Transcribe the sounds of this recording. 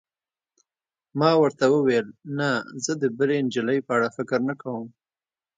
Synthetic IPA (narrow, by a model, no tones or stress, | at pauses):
mɑwəɾt̪awəwelnazəd̪əbəɾend͡ʒɪləjpəaɽafɪkɾnakawəm